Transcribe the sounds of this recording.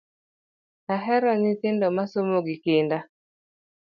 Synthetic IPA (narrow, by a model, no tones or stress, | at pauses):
aɦɛɾɔnɪt̪ɪndɔmasomoɡɪkɪnda